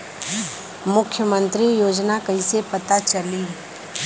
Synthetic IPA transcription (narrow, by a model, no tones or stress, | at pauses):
mʊkʰːjəmə̃nt̪ɾijoːd͡ʒnakɐɦisepɐt̪at͡ʃɐli